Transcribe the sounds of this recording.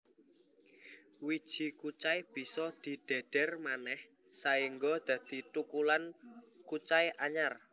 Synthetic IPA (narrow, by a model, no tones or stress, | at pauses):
wid̥ʒ̥i̤kut͡ʃajb̥i̤sɔd̪̥i̤ɖ̥e̤ɖ̥ɛrmanɛh | saiŋɡɔd̪̥ä̤d̪̥i̤t̪ukulankut͡ʃajʔaɲar